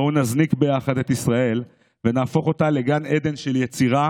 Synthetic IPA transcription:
unaznikbe̞jaχadet̪isʁae̞l | venaːfo̞χo̞t̪ale̞ɡaned̪e̞nʃe̞ljet͡siʁa

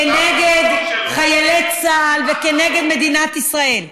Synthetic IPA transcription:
eneɡed̪χajelet͡saːlvekeneɡed̪me̞d̪inat̪isʁaʔe̞l

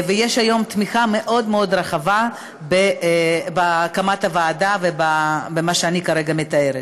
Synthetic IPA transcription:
vejeʃajo̞mt̪miχame̞ʔo̞d̪meo̞d̪ɾaχava | bebakamat̪avaːdavebabemaʃeanikaʁeɡame̞t̪ae̞ɾet

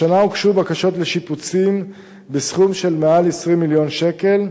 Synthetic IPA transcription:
anaukʃubakaʃo̞tle̞ʃiput͡sim | besχumʃe̞lmealesʁimːiljo̞nʃe̞ke̞l

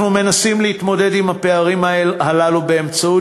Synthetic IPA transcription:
nume̞nasimlehit̪mo̞de̞dimhape̞aʁimae̞lhalalube̞ːmt͡sau

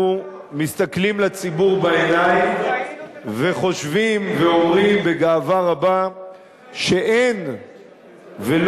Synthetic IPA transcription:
u | mist̪aklimlat͡sibuʁbaenaj | ve̞χo̞ʃvimveo̞mʁimbe̞ɡaːvaʁaba | ʃe̞ʔen | vel

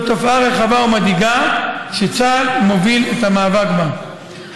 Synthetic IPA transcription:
t̪ofaʁeχavaumad̪iɡaʃet͡salmo̞viletamaːvaɡba

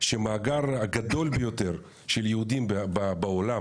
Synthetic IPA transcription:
ʃemaːɡaʁaɡad̪o̞lbejot̪eʁ | ʃeljeud̪imbabaolam

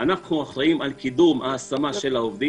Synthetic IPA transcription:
anaχnuaχɾaimalkid̪umaːsamaʃe̞laovd̪i

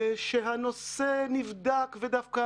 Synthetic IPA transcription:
ʃeɦanosenivd̪akved̪afka

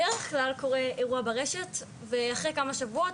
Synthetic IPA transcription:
eʁeχklalko̞ʁeeʁuabeʁeʃet | veaχʁekamaʃavuot

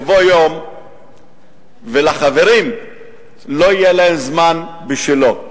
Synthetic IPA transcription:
vojom | velaχave̞ʁim | lo̞ijelaemzmanbiʃilo

